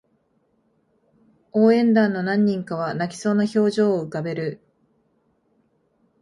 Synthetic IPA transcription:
oːẽ̞nd̪ãnːo̞nãɲ̟ːĩŋkaβ̞anakʲi̥so̞ːnaço̞ːʑo̞ːɯ̟kabe̞ɾɯ̟

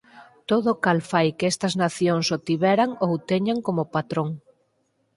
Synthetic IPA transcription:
t̪oðokalfajkest̪ɐznaθjoŋsot̪iβɛɾaŋowt̪eɲaŋkomopat̪ɾoŋ

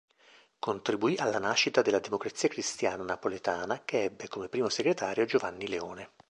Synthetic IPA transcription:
kont̪ɾibuiʔalːanaʃːit̪ad̪elːad̪emokɾat̪siːakɾist̪jaːnanapolet̪aːnakeɛbːekomepːɾiːmoseɡɾet̪aːɾjod͡ʒovanːileoːne

